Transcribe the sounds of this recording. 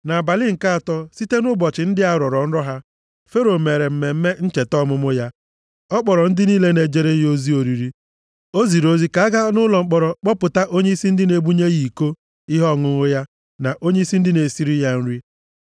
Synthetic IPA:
na˨a˨ba˨lɪ˦ŋ̩˨ka˦a˨tɔ˦si˦te˦nʊ˦bɔ˨t͡ʃɪ˨n̩˦dɪ˦a˦ɾɔ˨ɾɔ˨n̩˦ɾɔ˦ɦa˦ | fe˦ɾo˨me˨ɾe˨m̩˨me˨m̩˦me˦n̩˦t͡ʃe˨tɔ˦mʊ˦mʊ˦ja˦ | ɔ˦k͡pɔ˨ɾɔ˨n̩˦dɪ˦niː˦le˦ne˨d͡ʒe˦ɾe˦jo˦zi˦o˨ɾi˨ɾi˦ | o˦zi˨ɾo˦zi˦ka˨˦a˦ɡa˦nʊ˦lɔ˨ŋ͡m̩˦k͡pɔ˨ɾɔ˨k͡pɔ˦pʊ˨ta˦ʔo˦ɲe˦i˦si˦n̩˦dɪ˦ne˨bu˦ɲe˦ji˨ko˦ | i˦ɦɔ˦˨ŋʊ˨ŋʊ˦ja˦ | na˨ʔo˦ɲe˦i˦si˦n̩˦dɪ˦ne˨si˦ɾi˦ja˦n̩˦ɾi˦

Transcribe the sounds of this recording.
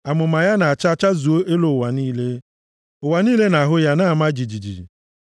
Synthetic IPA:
a˨mʊ˨ma˨ja˦na˨a˨t͡ʃa˦˨t͡ʃa˦zu˨o˦ʔe˦lo˨wa˨niː˦le˦ | ʊ˨wa˨niː˦le˦na˨a˨ɦʊ˦ja˦na˦a˨ma˦d͡ʒi˨d͡ʒi˨d͡ʒḭ˨

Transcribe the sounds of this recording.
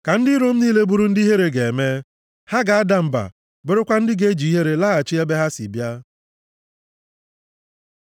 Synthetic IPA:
ka˨n̩˦dɪ˦ɾo˦m̩˦ni˦le˦bu˦ɾu˦n̩˦di˦ɦe˦ɾe˨ɡe˨e˨me˦ | ha˦ɡa˨a˦da˨m̩˨ba̰˨ | be˦ɾe˦kʷa˦n̩˦dɪ˦ɡe˦d͡ʒi˨i˦ɦe˦ɾe˨la˦a˨t͡ʃi˦e˦be˦ɦa˦sḭ˨bja˦

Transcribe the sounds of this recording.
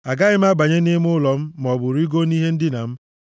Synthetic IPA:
a˨ɡa˦ɣɪ˦m̩˦a˦ɡ͡ba˨ɲe˦ni˦m˦ʊ˦lɔ˨m̩˦m˨ɔ˨bʊ˨ɾi˦ɡo˦ni˦ɦe˦n̩˦dɪ˦na˨m̩˦

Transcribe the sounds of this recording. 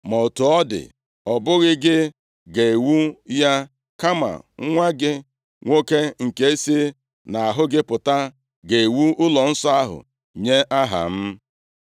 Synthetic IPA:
mo˨o˨tu˨ɔ˦dɪ̰˨ | ɔ˨bʊ˦ɣɪ˦ɡɪ˦ | ɡe˨wu˦ja˦ | ka˦ma̰˨ŋ˦ŋʷa˦ɡɪ˦ | ŋʷo˦ke˦ŋ̩˨ke˦e˦si˦ | na˨a˨ɦʊ˦ɡɪ˦pʊ˨ta˦ | ɡe˨e˨wu˦ʊ˦lɔ˨n̩˦sɔ˦a˦ɦʊ̰˨ | ɲe˦ʔa˦ɦa̰˨m̩˦

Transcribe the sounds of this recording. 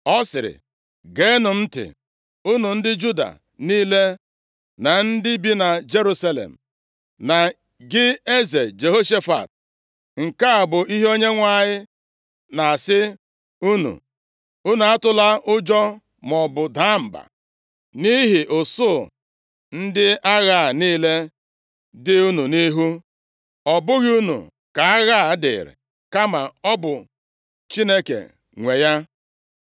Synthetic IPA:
ɔ˦sɪ˨ɾɪ̰˨ | ɡe˦nʊ˨m̩˦tɪ̰˨ | u˦nu˨n̩˦dɪ˦d͡ʒu˦da̰˨ | niː˦le˦ | na˨n̩˦dɪ˦bi˦na˨d͡ʒe˦ɾu˦sa˦lḛ˨m̩˨ | na˨ | ɡɪ˦e˦ze˨d͡ʒe˨ɦo˦ʃe˦fa̰˨t̚ | ŋ̩˨ka˦a˨bʊ˨i˦ɦo˦ɲe˦ŋʷa˦ɲɪ˦ | na˨a˨sɪ˦ | u˦nṵ˨ | u˦nu˨a˦tʊ˦la˦ʔʊ˦d͡ʒɔ˦ | mɔ˨bʊ˨da˦m̩˨ba̰˨ | ni˦ɦi˨ʔʊ˨sʊ˦˨ | n̩˦dɪ˦a˦ɣa˦˨niː˦le˦ | dɪ˦u˦nu˨ni˦ɦu˦ | ɔ˨bʊ˦ɣɪ˦u˦nṵ˨ | ka˨a˦ɣa˦˨˦dɪ̰˨ɾɪ̰˨ | ka˦ma˨ɔ˦bʊ˨ | t͡ʃi˦ne˦kḛ˨ | ŋʷe˨ja˦

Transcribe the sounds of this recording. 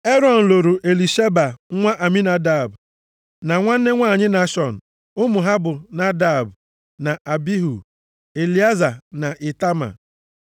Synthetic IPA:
e˦ɾɔ˨n̩˨lo˨ɾu˨ʔe˨li˨ʃe˦ba˨˦ŋʷa˦ʔa˨mi˦na˦da˨b | na˨ŋʷa˦n̩˦ne˦ŋʷaː˦˨ɲɪ˦na˦ʃɔ˨n̩˨ | ʊ˦mʊ˨ɦa˦bʊ˨na˦da˦˨b | na˨ʔa˨bi˦ɦu˨ | e˨li˨˦a˦za˨na˨ʔi˨ta˦ma̰˨

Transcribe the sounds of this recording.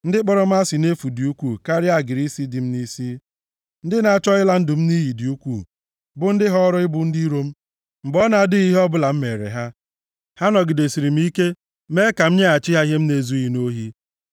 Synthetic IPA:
n̩˦dɪ˦k͡pɔ˦ɾɔ˦m̩˦a˦si˨ne˦fu˨di˨u˦kʷuː˦˨ka˦ɾɪ˦a˦˨ɡɪ˨ɾi˦si˦dɪ˨m̩˦ni˦si˦ | n̩˦dɪ˦na˨a˦˨t͡ʃɔ˦ɪ˦la˦n̩˦dʊ˨m̩˦ni˦ji˨di˨u˦kʷu˦˨ | bʊ˨n̩˦dɪ˦ɦɔ˦ɾɔ˦ɪ˦bʊ˨n̩˦di˦ɾo˦m̩˦ | m̩˨bɔ˦na˨a˨dɪ˦i˦ɦe˦ɔ˦bʊ˦la˨m̩˦me˨ɾḛ˨ɦa˦ | ha˦nɔ˨ɡɪ˨de˨si˨ɾi˨m̩˦i˦ke˦ | me˦ka˨m̩˦ɲe˦a˨t͡ʃɪ˦ɦa˦i˦ɦe˦m̩˦ne˨zu˦i˦i˨no˦ɦi˦

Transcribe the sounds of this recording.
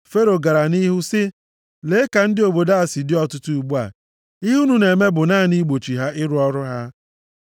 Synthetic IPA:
fe˦ɾo˨ɡa˨ɾa˨ni˦ɦu˦sɪ˦ | le˦ka˨n̩˦dɪ˦o˨bo˨da˦a˨sɪ˨dɪ˦ɔ˦tʊ˦tu˦u˨ɡ͡bu˦a̰˨ | i˦ɦu˦nu˨ne˨me˦bʊ˨naː˦˨ni˦ɡ͡bo˨t͡ʃi˨ɦa˦ʔɪ˦ɾʊ˦ɔ˦ɾʊ˦ɦa˦

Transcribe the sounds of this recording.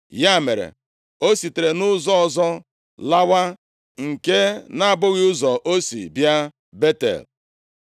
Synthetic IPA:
ja˦˨me˨ɾḛ˨ | o˦si˨te˨ɾe˨nʊ˦zɔ˦ɔ˦zɔ˦ | la˦wa˦ | ŋ̩˨ke˦na˨a˨bʊ˦ɣɪ˦ʊ˦zɔ˨ʔo˦sḭ˨bja˦ | be˦tḛ˨l

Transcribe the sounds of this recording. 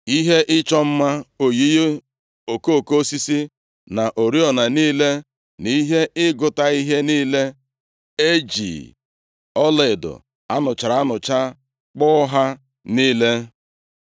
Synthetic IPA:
i˦ɦe˦ʔɪ˦t͡ʃɔ˦m̩˦ma˦o˨ji˦j | o˨ko˦˨ko˦si˦si˦ | na˨ʔo˨ɾi˦ɔ˨na˨niː˦le˦ | ni˦ɦe˦ʔɪ˦ɡʊ˨ta˦i˦ɦe˦niː˦le˦ | e˦d͡ʒḭː˨ | ɔ˦le˨dʊ̰˨ | a˦nʊ˨t͡ʃa˨ɾa˨a˦nʊ˨t͡ʃa˦ | k͡pɔ˦ɦa˦ | niː˦le˦

